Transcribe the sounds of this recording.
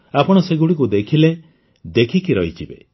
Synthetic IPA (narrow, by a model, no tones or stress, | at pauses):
apɔɽ̃ɔseɡuɽikud̪ekʰile | d̪ekʰikiɾɔɦit͡ʃʰibḛ